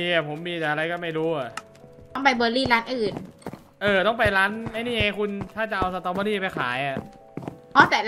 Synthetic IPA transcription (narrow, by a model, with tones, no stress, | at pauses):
miː˧a˨˩pʰo˩˦mːiː˧t̪ɛː˨˩ʔa˧ɾa˧jkɔː˥˩ma˥˩jɾuː˦˥a˨˩ | t̪ɔ˥˩ŋpa˧jbɤː˧liː˥˩laː˦˥nʔɯː˨˩n | ʔɤː˧˩t̪ɔ˥˩ŋp̬a˧jɾaː˦˥nma˧˥˩jniː˥˩ŋa˧kʰu˧nt̪ʰaː˥˩t͡ɕa˨˩ʔa˧wsa˧t̪aː˧boː˧liː˥˩pa˧jkʰaː˩˦ja˨˩ʔ | ʔɔː˦˥t̪ɛː˨˩